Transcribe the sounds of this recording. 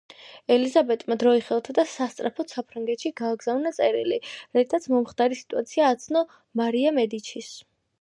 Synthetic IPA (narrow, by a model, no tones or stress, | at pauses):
ɛlizabɛt̪ʼmad̪ɾɔiχɛlˠt̪ʰad̪asast̪sʼɾapʰɔt̪sapʰɾaŋɡɛt̪ʃiɡaːɡzavnat̪sʼɛɾiliɾait̪ʰat̪sʰmɔmχd̪aɾisi̥t̪ʼuat̪sʰiaːt̪sʰnɔ | maɾiamɛd̪it͡ʃʰis